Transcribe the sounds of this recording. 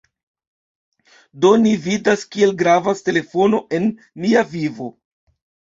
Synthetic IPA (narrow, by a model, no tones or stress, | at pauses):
do̞nividaskie̞lɡɾavaste̞le̞fo̞no̞ʔe̞nː | iavivo̞